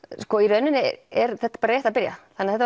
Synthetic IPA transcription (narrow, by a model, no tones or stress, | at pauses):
skɔiɾœnʏnɪɛɾθɛht̪ːapɑːɾajɛht̪apɪɾja̰θanaθɛt̪ː